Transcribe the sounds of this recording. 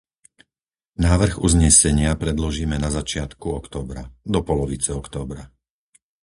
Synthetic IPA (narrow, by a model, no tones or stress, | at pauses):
naːʋr̩ɣuzɲɛsɛɲɪapɾɛd̪lɔʒiːmɛnazat͡ʃɪat̪kuɔkt̪ɔːbɾad̪ɔpɔlɔʋit͡sɛɔkt̪ɔːbɾa